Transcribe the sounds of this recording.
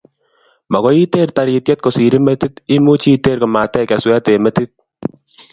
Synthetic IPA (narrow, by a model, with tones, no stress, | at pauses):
mɐ˨ɣɔ˦i˦t̪eː˦˨ɾt̪a˨ɾiː˧t̪̚ke˦t̪̚ko˨siː˨ɾi˦me˦t̪i˦t̪i˦mu˦t͡ʃi˦t̪eː˦˨ɾko˨ma˨t̪ɛ˦kɛ˨swɛ˦t̪e˨mɛ˦t̪i˦t̪̚